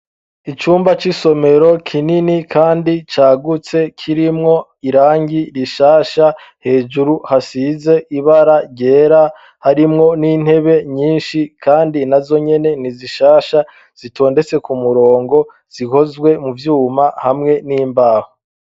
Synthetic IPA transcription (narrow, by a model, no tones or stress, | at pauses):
it͡ʃuːmbat͡ʃiso̞me̞ɾo̞kʰininikʰaːndit͡ʃaːɡut͡se̞kʰiɾimŋo̞ | iɾaːɲɟiɾiʃaːʃa | he̞ːd͡ʒuɾuhasize̞ʔiβaɾaɟe̞ːɾa | haɾimŋo̞niːn̥he̞βe̞ɲiːnʃikʰaːndinazo̞ɲe̞ne̞niziʃaːʃa | z̥itʰo̞ːnde̞t͡se̞kumuɾo̞ːŋɡo̞ | z̥ihozɡwe̞muvjuːmahamŋe̞niːmbaːho